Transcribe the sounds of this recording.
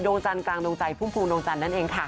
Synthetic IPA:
joː˧ŋt͡ɕa˧nklaː˧ŋdoː˧ŋt͡ɕa˧jpʰu˥˩mpʰuː˧ŋdoː˧ŋt͡ɕa˧nːa˥nʔeː˧ŋkʰa˥˩

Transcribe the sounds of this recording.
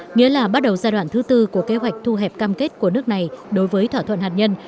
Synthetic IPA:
ŋḭ˧˥əlaː˨˩ɓa˦˥t̚ɗə˨˩wzaː˧jɗwa̰ː˧˨nt̪ʰɨ˨˦t̪ɨ˧ku˧˩əke˨˦ɦwa˨˩jk̟̚t̪ʰu˧ɦɛ˨˩p̚kaː˧mke˦˥t̚ku˧˩ənɨ˦˥ək̚na˨˩jɗo˨˦jvəː˨˦jt̪ʰwaː˧˩t̪ʰwə̰˧˨nhaː˨˩t̚ɲə˧n

